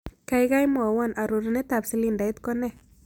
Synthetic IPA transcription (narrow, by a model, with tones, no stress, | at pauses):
ka˦jɡa˦jmɔ˨wa˦˨nʔa˨ɾu˨ɾne˦t̪a˨bsɪ˨li˦˨nda˨i˦t̪kɔ˦nɛ˦˨